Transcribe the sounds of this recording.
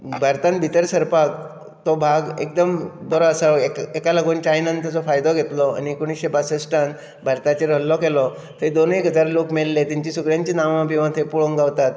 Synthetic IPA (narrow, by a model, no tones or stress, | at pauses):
bʱaɾt̪ãnbʱit̪əɾsəɾpak | t̪ɔbʱaɡḛkd̪əmbəɾɔasaekekaləɡuːnt͡ɕaajnənt̪ət͡sɔfajd̪ɔɡʱet̪lɔa̰nikuɽ̃isɕepasəsʈan | bʱaɾt̪at͡ɕeɾəlːɔkelɔ | t̪ʰed̪onekəd͡zaɾlokmellet̪iɲt͡ɕisukɾjãɲt͡ɕiːnaʋapiʋãt̪ʰepuɭoŋɡaʋt̪at̪̚